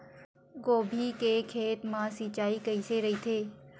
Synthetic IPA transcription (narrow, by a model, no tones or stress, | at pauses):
ɡoːbʱikekʰeːt̪mãsiːt͡ʃaːikəiseɾɐit̪ʰeː